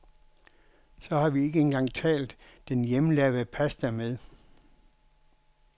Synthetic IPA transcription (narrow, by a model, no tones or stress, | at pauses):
sɒ̽hɑ̈ʋie̝ɡ̥əe̝nɡ̥ɑ̈ŋ̰t͡sʰɛ̰ːld̥ːenjeməlæʋðˠpʰæsd̥æmeð̞ˠ